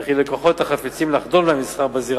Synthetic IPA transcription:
χilekoχo̞t̪haχafit͡simlaχd̪o̞lmemisχaʁbaziʁ

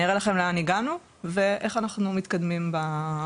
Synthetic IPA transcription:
iʁelaχe̞mleaniɡanu | ve̞ʔeχanaχnumit̪kad̪mimba

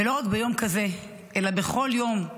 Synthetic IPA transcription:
elo̞ʁakbejo̞mkaze | ʔelabeχo̞ljo̞m

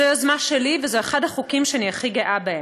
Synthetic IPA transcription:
eazmaʃelivezoeχadhaχukimʃeaniaχiɡeʔabee

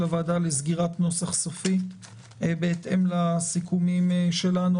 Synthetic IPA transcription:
avad̪alezɡiʁat̪no̞saχsofi | beːt̪ʔe̞mlasikumimʃe̞lanu

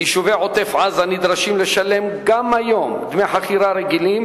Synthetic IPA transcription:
jiʃuveʕot̪efʕazhanid̪ɾaʃimleʃale̞mɡamajomd̪meħaχiɾaɾeɡilim

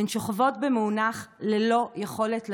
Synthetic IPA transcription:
enʃoχavo̞tbemunaχlelo̞jeχo̞letl

